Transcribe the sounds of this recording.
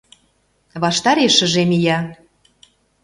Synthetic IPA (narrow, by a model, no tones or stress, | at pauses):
βɑʃt̪ɑɾeʃə̆ʒemijɑ